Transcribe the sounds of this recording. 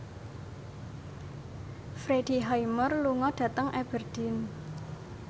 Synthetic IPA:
fɾed̥i̤ɦajmərluŋɔɖ̥ä̤t̪əŋʔɛb̥ərd̪̥ɪn

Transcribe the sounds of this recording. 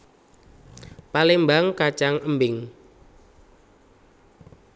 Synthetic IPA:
palembaŋkat͡ʃaŋəmbɪŋ

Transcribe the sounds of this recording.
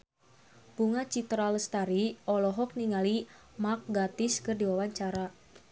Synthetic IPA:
buŋat͡ʃit̪ɾaləst̪aɾiɔlɔɦɔk̚niŋali | mak̚ɡat̪ɪskɨrdiwawaɲt͡ʃaɾa

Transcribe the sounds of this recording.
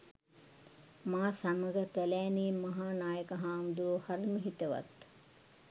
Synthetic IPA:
maːsaməɡəkælæːniːmːɐɦaːnaːjəkɐɦaːmd̪uʋəhaɾməɦit̪əʋa̰t̪

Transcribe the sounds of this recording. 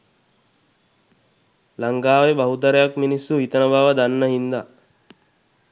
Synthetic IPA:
laŋɡaːʋebɐɦud̪ɐɾejakminisːuɦit̪ənəbaːʋəd̪anːəɦind̪a

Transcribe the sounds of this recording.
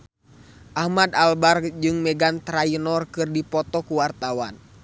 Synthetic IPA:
ʔahmad̪albarkd͡ʒɨŋmɛɡant̪ɾainɔrkɨrdipɔt̪ɔkuwart̪awa̰n

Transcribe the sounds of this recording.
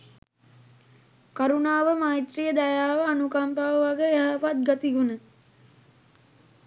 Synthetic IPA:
kaɾunaːʋəmaːjt̪rijəd̪ajaːʋaːnukampaʋəʋaɡəeɦaʋat̪̚ɡat̪iɡunə

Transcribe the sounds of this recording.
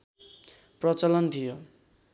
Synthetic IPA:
prʌt͡sʌlʌnt̪ʰijo

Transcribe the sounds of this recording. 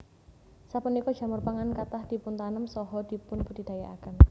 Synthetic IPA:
sapunikɔ̥ʒ̥a̤mʊrpaŋankat̪ahd̪̥i̤pʊnt̪anəmsɔɦɔd̪̥i̤pʊnpud̥̪id̪̥a̤jaʔa̰kən

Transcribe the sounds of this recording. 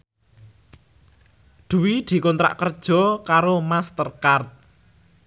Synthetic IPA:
ɖ̪̥ṳwid̪̥i̤kɔnt̪ɾa̰ʔkərd̥ʒ̥ɔ̤kaɾomast̪ərkart̪̚

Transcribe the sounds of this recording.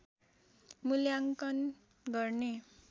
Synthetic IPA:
muljaŋkʌn | ɡʌrne

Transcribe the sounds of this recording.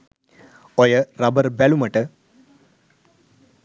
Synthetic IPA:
ojəɾɐbəɾbɛluməʈə

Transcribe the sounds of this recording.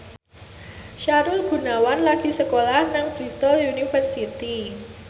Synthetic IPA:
ʃaɾʊlɡ̥ṳnawanlaɡ̥i̤səkolahnaŋpɾist̪ɔlunifərsit̪i

